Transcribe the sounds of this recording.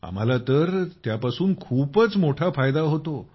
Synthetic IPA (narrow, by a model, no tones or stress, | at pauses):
a̰m̤alat̪əɾt̪japasuːnkʰuːpət͡smoʈʰafajd̪aɦot̪o